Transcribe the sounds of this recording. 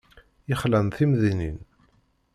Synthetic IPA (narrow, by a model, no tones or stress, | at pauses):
ɪχlænθimðinḭn